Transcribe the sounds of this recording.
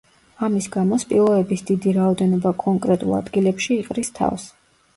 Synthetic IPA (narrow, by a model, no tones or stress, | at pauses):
amisɡamɔspʼilˠɔɛbisd̪̥id̪iɾaɔd̪ɛnɔbakʼɔŋkʼɾɛt̪ʼṵlˠa̰d̪ɡilɛpʃiːqʼɾist̪ʰa̰fs